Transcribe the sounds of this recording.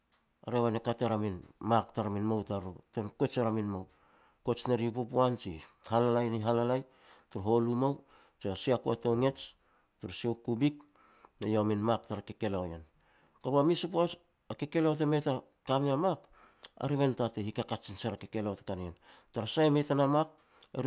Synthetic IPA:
a̰ɾeβanekateɾaminmaktaɾaminmawtaɾotenkot͡ʃaɾaminmaw | ko̞t͡ʃneɾipopuant͡ʃihalalajniɦalalaj | tuɾɦo̞lumaw | t͡ʃiasiakuatoŋe̞t͡ʃ | tuɾsiokubik̚ | nejominmak̚taɾakeke̞lawja̰n | koɾamisupos | akeke̞laot̬emeta | kamiamak | a̰ɾiβentatehikakat͡ʃinsaɾakeke̞lawtekanientaɾasajmetanamak̚ | ḛɾ

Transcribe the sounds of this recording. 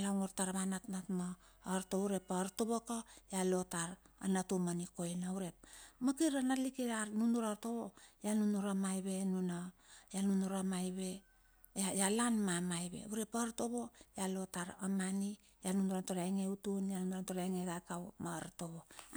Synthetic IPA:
laŋoɾtaɾβanatnatma | ɾtouɾe̞paɾtoβokojalo̞taɾa̰natumaniko̞jnauɾe̞p̚makiɾanalikiɾanunuɾaɾtoβojanunuɾamajβe̞nunajanunuɾamajβe̞ | ajalanmamajbḛuɾe̞paɾto̞βo̞jalo̞taɾamani | janunuɾantoɾajŋeutunjanunuɾantoɾajŋeɡakawmaɾtoβo̞

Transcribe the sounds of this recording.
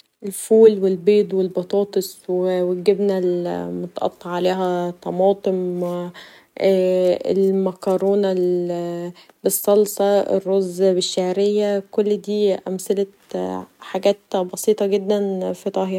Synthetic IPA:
ʔelfuːlwelbeːd̪ˤwelbɑt̪ˤɑːt̪ˤesˤwewæɡebnælmot̪ɑʔɑ̰t̪ˤːɑʕːaleːɦæt̪ˤːɑmɑːt̪ˤem | ḛlmækɑɾoːnæl | besˤːɑlsˤɑḛrːozbeʃːaʕɾejːækolːd̪iːʔæmsælæt̪ħaɡæːt̪bɑsiːt̪ˤɑɡed̪ːænfit̪ˤɑɦiːɾ

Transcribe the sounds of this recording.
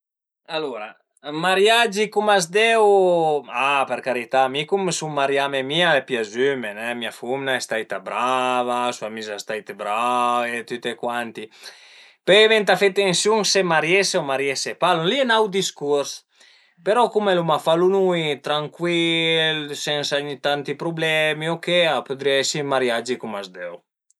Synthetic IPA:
aluɾa | maɾjad͡ʒikumazd̪ɛw | apeɾkaɾit̪amikumsumaɾjamemiaɛpjazymenɛmiafumnaest̪ajt̪abɾavasuamizast̪ajt̪ebɾavet̪yt̪ekwant̪i | pevɛnt̪afet̪ːensjuŋsemaɾjeseomaɾjesepalulienawd̪iskuɾs | peɾɔkumelumafalunujt̪ɾaŋkwilsɛnsaɲit̪ant̪ipɾublɛmiokeapud̪ɾiaɛsimaɾjad͡ʒikumazd̪ɛw

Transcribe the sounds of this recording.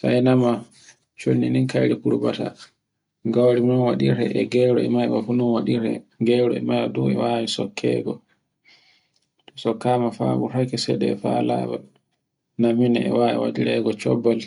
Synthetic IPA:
sajnama | t͡ʃonːininkajɾikuɾbata̰ | ɡawɾimnɔnwaɗiɾɛ̰ʔɛɡɛɾɔɛmajwafunɔnwaɗiɾɛ̰ɡɛɾɔ̰ɛmajwɔduɛ̰wawisɔkʰːɛ̰ɡɔ | tɔsɔkːaːmafabuɾakɛsɛɗɛfalaba̰l | naminɛɛwaɛ̰wa̰diɾɛɡɔt͡ʃɔbːal

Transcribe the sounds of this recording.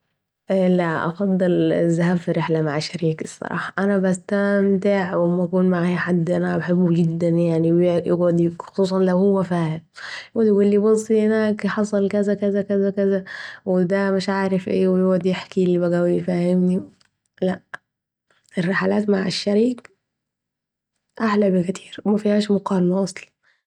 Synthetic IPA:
ʔlaʔɑ̰fɑd̪ˤːɨlzːaɦaːbfiɾɪħlamaʕaʃːaɾiːksˤːɑ̰ɾˤɑ̰ːħɑʔanabast̪amt̪ɪʕwɪmakuːnmaʕaħad̪ːʔanabħɪbːuɡɪd̪ːanjaʕniwjjɪ̰ɡʕʊd̪xxo̥sˤuːs̬ˤɑnlawhʊwːafaːhɪmjɪɡʊd̪ɡulːibɑsˤːihɪnaːkħɑsˤɑlkazakazakazakazawɪd̪æmɪʃʕaːɾɪfʔeːwɪjɪɡʕd̪jeħkiʔlːibæɡæwifaːhɪmni | laʔ | ʔɪrːeħalaːt̪maʕa̰ʃːæɾiːɡ | ʔaħlabɪkt̪ʰi̥ːɾwmæfihæːʃmʊqɑːlmaʔɑsˤlɑ̥n

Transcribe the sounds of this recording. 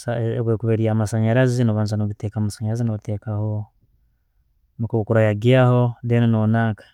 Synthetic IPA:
saβwekuβeɾiamasaɲaɾazinoβanzanoɡiteːkamasaɲaɾazinoɡitekaho | mikuβukuɾajaɡiahodeninonaːŋkḁ

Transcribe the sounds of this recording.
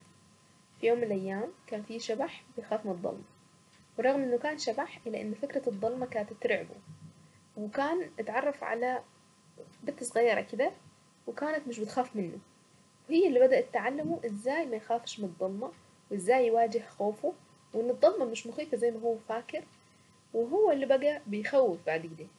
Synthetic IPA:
fijoːmːɪnɪlʔajːaːmkaːnfiːʃabaħbɪjxaːfmɪnɨd̪ˤːɑ̰lmɑ | wrˤːɑɣmʔɪnːʊkaːnʃabaħʔɪlːaʔɪnːfɪkɾˤɑd̪ˤːɑlmɑkaːnat̪t̪ɾɪʕbṵ | wɪkaːnʔɪt̪ʕɑrˤːɑfʕa̰la | bɪt̪ːɪsˤɣɑjːɑɾˤɑ̰kɪd̪a | wɪkaːnat̪mɪʃ̬bɪt̪xaːfmɪnːu | whɪjːɪlːibad̪aʔat̪ːʕalːamuʔɪzːaːjmajxaːfʃmɪnɨd̪ˤːɑlmɑ | wʔɪzːaːjːwaːd͡ʒɪhxoːfu | wʔɪnːɨt̪d̪ˤːɑlmɑmɪʃmʊxiːfazajːnːaɦʊwːfaːkɪɾ | wɪɦʊwːaɪlːibaɡabɪjxawːɪfbaʕd̪ɡɪd̪eː

